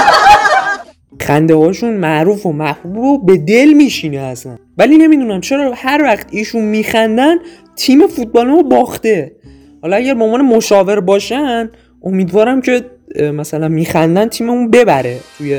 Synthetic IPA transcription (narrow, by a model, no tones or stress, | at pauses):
xænd̪ehɒːʃunmæʔɾuːfomæhhubbobe̞d̪e̞lmiːʃiːneæsæ̰nvæliːne̞mid̪uːnæmt͡ʃʰe̞ɾɒːhæɾvæxt̪iːʃunmiːxænd̪æn | t̪ʰiːme̞fut̪̚bɒːlimobɒːxt̪e̞ | hɒːlɒæɟæɾbeoonvɒːnemoʃɒːve̞ɾbɒːʃæn | ʔo̞miːd̪vɒːɾæmcʰe̞ | mæsælænmiːxænd̪ænt̪ʰiːmeunbe̞bæɾe̞t̪ʰuje